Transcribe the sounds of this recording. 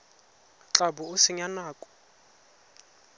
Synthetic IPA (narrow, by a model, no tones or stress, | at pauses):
t͡ɬʼabʊʊsɪɲanaːkʼɔ̥